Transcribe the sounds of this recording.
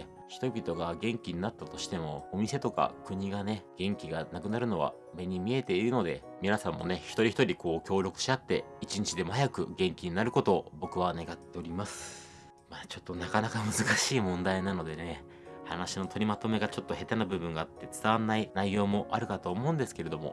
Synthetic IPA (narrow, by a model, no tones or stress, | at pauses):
çʲi̥t̪o̞bʲit̪o̞ɡaɡẽ̞ŋkʲiɲ̟inat̪ːat̪o̞ɕi̥t̪e̞mo̞omʲise̞t̪o̞ka̰kɯ̟ɲ̟iɡane̞ɡ̥ẽ̞ŋkʲiɡanakɯ̟naɾɯ̟no̞βa̰ | me̞ɲ̟imʲie̞t̪e̞iɾɯ̟no̞d̪e̞̰ | mʲinasãmːo̞̰ne̞çi̥t̪o̞ɾʲiçi̥t̪o̞ɾʲikʰo̞ːkʲo̞ːɾʲo̞kɯ̟̥ɕiat̪ːe̞̰it͡ɕiɲ̟it͡ɕid̪e̞mohajakɯ̟̰ɡẽ̞ŋkʲiɲ̟inaɾɯ̟ko̞t̪o̞bo̞kɯ̟β̞ane̞ɡat̪ːe̞o̞ɾʲimasɨ̥ | maːt͡ɕo̞t̪ːonakanakamɯ̟zɨkaɕiːmõ̞nd̪ainano̞d̪e̞ne̞ | hanaɕino̞t̪ʰo̞ɾʲimat̪o̞me̞ɡat͡ɕo̞t̪ːo̞he̞t̪anabɯ̟bɯ̟̃ŋɡaːt̪ːe̞t͡sɨ̥t̪aβanːainaijo̞ːmo̞ʔaɾɯ̟kat̪o̞ːmo̞ɯ̟̃nd̪e̞sɨ̥ke̞ɾe̞d̪o̞mo̞̰